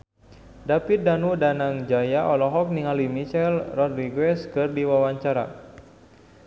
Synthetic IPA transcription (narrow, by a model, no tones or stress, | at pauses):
dapit̪̚danudanaŋd͡ʒajaʔɔlɔɦɔk̚niŋalimit͡ʃɛlrɔd̪riɡwɛskɨrdiwawaɲt͡ʃaɾa̰